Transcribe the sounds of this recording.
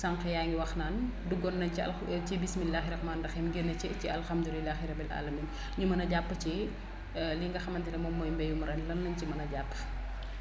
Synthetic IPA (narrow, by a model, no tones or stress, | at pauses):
saŋqɛjaːŋɡiwɐxnaːn | duɡɔnːɐɲɐ̰ | t͡ʃibismilːaːxiɾɐxmaːndɐxɛmɡenːɐt͡ʃɛciɐlxɐmd̪ulilːaːxiɾɐbilʔa̰ːlɐmiːn | ɲumɐnɐɟapːət͡ʃi | liŋɡɐxɐmɐntɛlɛmɔmɔːjmbɛjumɾɛnlɐnːɐɲcimɐnɐɟapː